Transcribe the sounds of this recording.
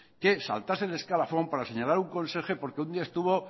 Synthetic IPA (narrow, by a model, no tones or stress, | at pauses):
ke̞sa̰lt̪asele̞skalafo̞mpaɾase̞ɲalaɾuŋko̞nse̞xe̞po̞ɾkund̪iae̞st̪uβo̞